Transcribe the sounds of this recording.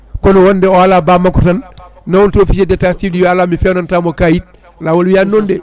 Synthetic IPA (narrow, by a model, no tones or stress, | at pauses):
konowondɛɔalaːbamakutanːawontofisedɛtasidijoalaːmifɛːnantamokaːjit̚ | lawolujanːondɛ